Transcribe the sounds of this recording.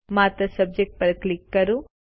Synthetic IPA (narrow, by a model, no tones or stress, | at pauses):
maːt̪ɐsɐb̚d͡ʒek̚ʈ̚pɐɾklikːɐɾu